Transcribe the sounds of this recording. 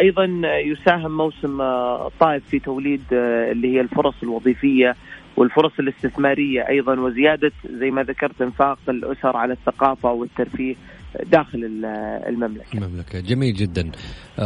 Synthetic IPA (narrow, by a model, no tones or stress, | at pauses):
ʔɑjðˤɑnjʊsaːɦɪmːawsɪmt̪ˤːɑːʔɪffːit̪awliːd̪ɪlːihɪjːalfʊɾˤɑsˤɪlwɑðˤiːfɪjːa | wʔɪlfʊɾˤɑsˤɪlɪst̪ɪθmaːɾɪjːaʔɑjðˤɑnwɪzɪjaːd̪azajːmaðakɑɾˤt̪ʔɪnfaːqɪlʔʊsɑɾˤʕalaθːaqɑːfawɪt̪ːɑɾˤfiːh | d̪aːxɪlɪl̰lmamla̰kamamlakad͡ʒamiːld͡ʒɪd̪ːan